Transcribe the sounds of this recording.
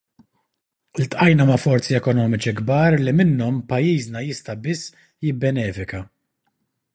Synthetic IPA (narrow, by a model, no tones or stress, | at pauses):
lt̪ʔɐjnɐmɐfɔɾt͡siɛkɔnɔːmɪt͡ʃiɡbɐːɾlimɪnːɔmpɐjːiːznɐjɪst̪ɐbɪsː | jɪbːɛnɛːfɪkɐ